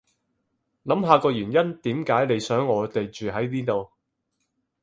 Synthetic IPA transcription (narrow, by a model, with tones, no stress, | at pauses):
lɐ˨˥mɦaː˧kɔː˧jyː˨˩njɐ˥nt̪iː˨˥mkaː˨˥jne˨˧jsœː˨˥ŋɔː˨˧t̪e˨jt͡ʃyː˨ɦɐ˨˥jniː˥t̪o˨w